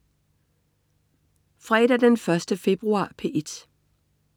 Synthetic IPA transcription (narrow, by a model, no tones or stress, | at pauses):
fʁɛ̰ːd̥æɐd̥enfɶɐsd̥əfe̝b̥ʁuɑ̰̈ːpʰe̝ːʔed̥